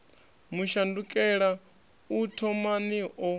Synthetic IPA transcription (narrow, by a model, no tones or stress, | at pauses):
muʃandukʼɛɺa | utʰɔmaniʔɔ